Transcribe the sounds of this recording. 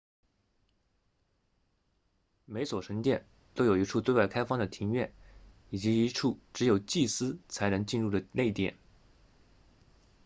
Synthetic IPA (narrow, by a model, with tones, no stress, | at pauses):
me˧˥ɪswɔ˨˩ʂə˧˥ŋt̪jɛ˥˩n | t̪o˥ʊjo˨˩i˧˥ʈ͡ʂʰu˥˧t̪we˥˧ɪwa˥˩ɪkʰa˥ɪfɑ˥ŋd̪ə˨˩t̪ʰi˧˥ŋɥɛ˥˩n | i˨˩t͡ɕi˧˥i˧˥ʈ͡ʂʰu˥˩ʈ͡ʂɻ̩˧˥jo˨˩ʊt͡ɕi˥˩sɹ̩˥t͡sʰa˧˥ɪnɤ˧˥ŋt͡ɕi˥˧nɻu˥˩d̪ə˩le˥˧˩ɪt̪jɛ̰˨˩˦n